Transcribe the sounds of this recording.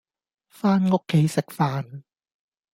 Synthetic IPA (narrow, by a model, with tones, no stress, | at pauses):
faː˥nŋʊ˥kʰːe˨˥˦jsɪ˨k̚faː˧n